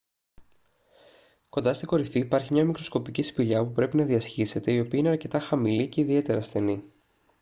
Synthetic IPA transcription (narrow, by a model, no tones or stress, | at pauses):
ko̞nd̪ɐst̪iko̞ɾifiːpɐɾçimɲɐmikɾo̞sko̞picisi̥piʎɐpupɾe̞pinɐðiɐsçise̞t̪e̞io̞piɐineɐɾce̞t̪ɐxɐmilice̞iðie̞t̪e̞ɾɐːsθe̞ni